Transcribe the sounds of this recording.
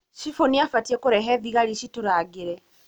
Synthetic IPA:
ʃifoniafatiɛkoɾɛɦɛðiɣaɾiʃitoɾaɣeɾɛ

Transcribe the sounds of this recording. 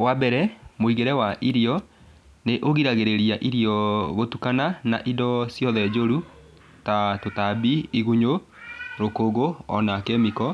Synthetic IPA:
wabɛɾɛmoiɣeɾɛwaʔiɾiɔ | neʔoɣiɾaɣeɾeɾiaʔiɾiɔɣotukananaʔidɔsjɔðɛd͡ʑoɾu | tatotabiːɣuɲo | ɾokoɣoɔ̰nakɛmikɔ

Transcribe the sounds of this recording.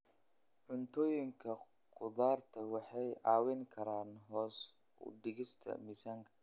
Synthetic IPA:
ʕʊnt̪ʰɔːjɪŋkʰɐ | kʰʊðaːrt̪ʰɐwɑħɑjʕɑːwɪŋkʰɐɾaːnɦɔːs | ʊ̰d̪ɪɣɪst̪ʰɐ̰misɐŋkʰɐ̥

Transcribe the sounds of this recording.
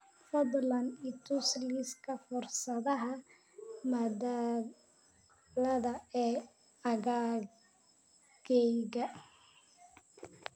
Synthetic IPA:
fɔblɐnit̪ʰʊsliskʰɐfɔrsɐðɐɦɐ | mɐda | lɐðɐɛː | ɐɣa | ɡɛjɣɐ

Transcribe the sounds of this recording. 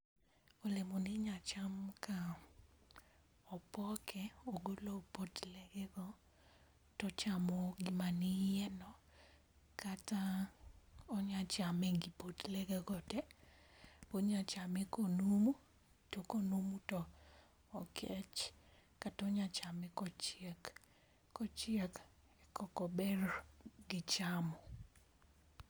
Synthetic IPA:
olemonɪɲat͡ʃamka | ɔpɔkʰɛoɡolopotlɛɡɛɡɔ | tɔt͡ʃamɔɡimanɪjɛnɔ | kata | ɔɲat͡ʃamɛɡipotlɛɡɛɡɔdɛ | poɲat͡ʃamɛkonumu | tokonumutɔː | kʰɛt͡ʃkatɔɲat͡ʃamɛkɔt͡ʃɛkː | ɔt͡ʃɪɛk | ɛkɔkɔbɛrɡɪt͡ʃamɔ

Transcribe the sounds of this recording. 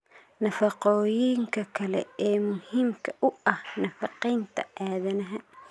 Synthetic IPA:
nɐfɑqɔːjɪŋkʰɐkʰɐlɛ̰ɛːmʊhiːmkʰɐʔʊɐhnɐfɑqɛjnt̪ʰɐʔaːðɐnɐɦɐ

